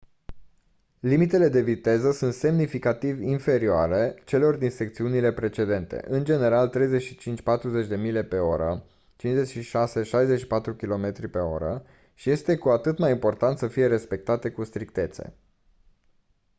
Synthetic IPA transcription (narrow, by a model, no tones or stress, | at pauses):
limit̪e̞le̞d̪e̞vit̪e̞zəsunt̪se̞mnifikat̪ivʲinfe̞ɾioaɾe̞t͡ʃe̞lo̞rd̪inse̞k̚t̪siunile̞pɾe̞t͡ʃe̞d̪e̞nt̪e̞̰ʔɨnd͡ʒe̞ne̞ɾalt̪ɾe̞jze̞t͡ʃʃi̥t͡ʃint͡ʃʲpat̪ɾuze̞t͡ʃʲd̪e̞mile̞pe̞o̞ɾə | t͡ʃinze̞t͡ʃʃiʃase̞ʃajze̞t͡ʃʃi̥pat̪ɾukʲilo̞me̞t̪ɾipe̞o̞̰ɾə | ʃije̞st̪e̞kuat̪ɨt̪majimpo̞rt̪ant̪səfije̞ɾe̞spe̞k̚t̪at̪e̞kust̪ɾikt̪e̞t̪se̞̰